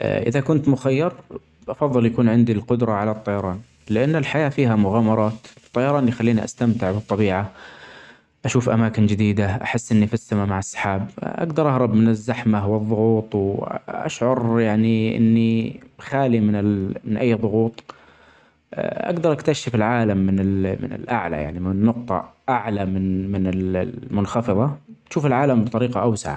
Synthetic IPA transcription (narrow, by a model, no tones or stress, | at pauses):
ʔʔɪ̰ðakʊnt̪mʊxajːɑɾˤ | ʔɑfɑðˤːɨljakuːnʕɪnd̪ilqʊd̪ɾˤɑʕalat̪ˤːɑjɑɾˤɑːn | lɪʔanːɪlħajaːfiːɦamʊɣaːmɑɾˤɑːt̪t̪ˤːɑjɑɾˤɑːnljxalːiːniʔa̰st̪amt̪ɪʕbɨt̪ˤːɑbiːʕa | ʔaʃuːfʔa̰maːkɪnd͡ʒɪd̪iːd̪aʔa̰ħɪsːʔɪnːifɪsːamamaʕasːɑ̥ħaːbʔa̰ɡd̪ɑɾˤʔɑhɾˤɑbmɪnɪzːaħmawɨðˤːʊɣuːt̪ˤwʔa̰ʃʕʊɾjaʕniʔɪ̰nːixaːlimɪnɪmɪnʔajːðˤʊɣuːt̪ˤ | ʔa̰ɡd̪ɑɾˤʔakt̪aʃːɪfɪlʕaːlamːɪnɪlmɪ̰nɪ̰lʔaʕla̰ja̰ʕnimɪnːʊqt̪ˤɑ̰ʔaʕlamɪnmɪnɪlmʊnxɑfɨðˤɑaʃuːfɪlʕaːlambt̪ˤɑɾiːqɑʔawsaʕa̰